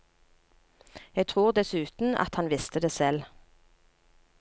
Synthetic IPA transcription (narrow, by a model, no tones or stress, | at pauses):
jɛɡ̚t̪ʰʁuːʁd̪ɛsʉːt̪n̩ɑ̰t̪hɑnʋɪst̪əd̪eːsɛl